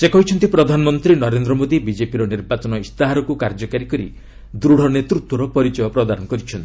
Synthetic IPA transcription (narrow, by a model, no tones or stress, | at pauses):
sekɔɦit͡ʃʰɔnt̪ipɾɔd̪ʱanɔmɔnt̪ɾinɔɾend̪ɾɔmod̪ibid͡ʒepiɾɔniɾbat͡ʃɔnɔist̪aɦaɾɔkukaɾd͡ʒɔkaɾikɔɾḭ | d̪ɾuɽ̤ɔnet̪ɾut̪wɔɾɔpɔɾit͡ʃɔjɔpɾɔd̪aɾɔnɔkɔɾit͡ʃʰɔnt̪ii